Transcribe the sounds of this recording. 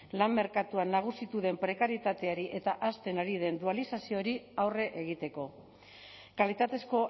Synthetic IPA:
lamːe̞ɾkat̪uanːaɣ̞usit̪uðe̞mpɾe̞kaɾjet̪at̪e̞aɾiʔe̞t̪aʔast̪e̞naɾið̞e̞nd̪ualisasio̞ɾiawre̞ʔeɣ̞it̪e̞ko̞ | kalit̪at̪e̞sko̞

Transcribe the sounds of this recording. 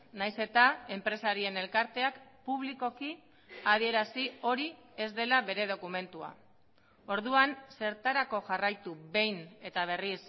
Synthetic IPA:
najse̞t̪ae̞mpɾe̞saɾie̞ne̞lkaɾt̪e̞akpuβ̞liko̞ki | að̞ie̞ɾasio̞ɾi | e̞zd̪elaβe̞ɾe̞ð̞o̞kume̞nt̪ua̰ | o̞ɾðuanse̞ɾt̪aɾako̞ʝarajt̪uβe̞jne̞t̪aβ̞e̞ris

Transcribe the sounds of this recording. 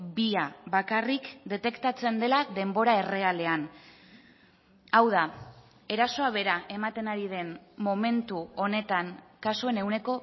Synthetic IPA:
biaβakarikd̪e̞t̪e̞kt̪at͡se̞nd̪e̞laðe̞mbo̞ɾae̞re̞ale̞an | awð̞a | e̞ɾaso̞aβ̞e̞ɾaʔe̞mat̪e̞naɾiðe̞nmo̞me̞nt̪uo̞ne̞t̪aŋkasue̞ne̞wne̞ko̞

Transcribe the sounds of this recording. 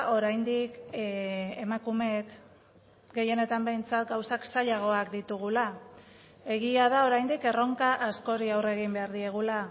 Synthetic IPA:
ʔo̞ɾajnd̪ik | emakume̞k | ɡe̞je̞ne̞t̪ambe̞jnt͡sat̪ɡawsaksaʎaɣ̞o̞akd̪it̪uɣ̞ula | e̞ɣiaðao̞ɾajnd̪ike̞ro̞ŋkaʔasko̞ɾiawre̞ɣ̞imbe̞aɾðie̞ɣ̞ula

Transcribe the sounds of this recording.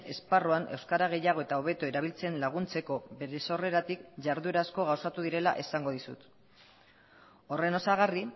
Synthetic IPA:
e̞sparoanʔe̞wskaɾaɣ̞e̞jaɣ̞o̞e̞t̪aoβ̞e̞t̪oe̞ɾaβ̞ilt͡se̞nlaɣ̞unt͡se̞ko̞βe̞ɾe̞so̞re̞ɾat̪ikʝaɾðueɾasko̞ɣ̞awsat̪uðiɾe̞la̰ʔesaŋɡo̞ðisṵt̪ | o̞re̞no̞saɣ̞ari

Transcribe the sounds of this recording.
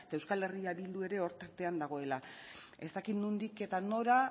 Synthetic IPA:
et̪aewskale̞riaβild̪ue̞ɾe̞o̞ɾt̪aɾt̪e̞and̪aɣ̞o̞e̞la | e̞st̪akit̪nund̪ike̞t̪ano̞ɾa

